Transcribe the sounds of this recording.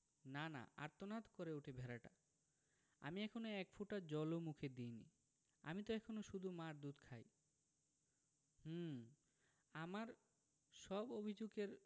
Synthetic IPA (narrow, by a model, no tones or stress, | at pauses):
nana̰a̰ɾt̪onat̪koɾeuʈʰebʱɛɾaʈa̰ | a̰miɛkʰonoɛkfuʈad͡ʑɔlomukʰed̪ijnḭ | a̰mit̪oɛkʰonoʃud̪ʱumaɾd̪ud̪kʰaj | h̩ | amaɾ | ʃɔbobʱid͡ʑoɡeɾ